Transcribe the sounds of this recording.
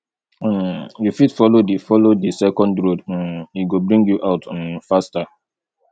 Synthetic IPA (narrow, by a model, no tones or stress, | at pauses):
jufitfɔlodifɔlodisɛkɔ̃ndɹod̩iɡobɹĩŋɡjuʔaʊtnfasta